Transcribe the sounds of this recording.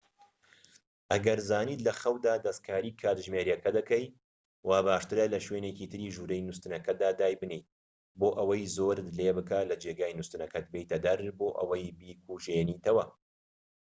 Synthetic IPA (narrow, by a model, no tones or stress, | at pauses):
ʔɐɡɐɾzaːniːt̪lɐxɐwd̪aːd̪ɐskʰaːɾiːkʰaːt̪ʒmeːɾjɐkɐd̪ɐkɐj | waːbaːʃt̪ɨɾɐlɐʃweːneciːt̪ʰɨɾiːʒuːɾɐjnust̪ɨnɐkɐd̪aːd̪aːjbɨnej | boːʔɐwɐjzoːɾɨt̪lebɨkaːlɐd͡ʒeːɡaːjnust̪ɨnɐkʰɐt̪̚bejt̪ʰɐd̪ɐɾboːʔɐ̰wɐjbiːkʰuːʒeːniːt̪ʰɐwɐ